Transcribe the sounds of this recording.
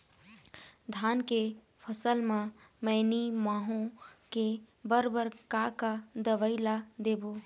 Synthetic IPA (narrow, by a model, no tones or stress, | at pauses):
d̪ʱaːnke | pʰəsəlmãmə̃ːnimaːɦõke | bəɾbəɾkakad̪əʋəilad̪eːboː